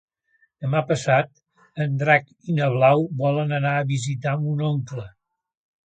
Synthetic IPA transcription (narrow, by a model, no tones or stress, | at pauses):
d̪əmapəsat̪ | ənd̪ɾak | inəβlawβɔlənənaəβizit̪amunoŋklə